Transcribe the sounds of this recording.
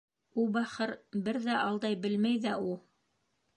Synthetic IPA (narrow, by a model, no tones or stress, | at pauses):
ulˠbæχɤɾbɘɾðæʔɑlˠd̪ɑjbɘ̆lmæjðæulˠ